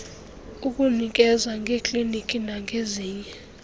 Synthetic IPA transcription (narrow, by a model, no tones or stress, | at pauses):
uk̬ʼunik̬ʼɛzaŋʱekʼlinikʼinaŋeziːɲɛ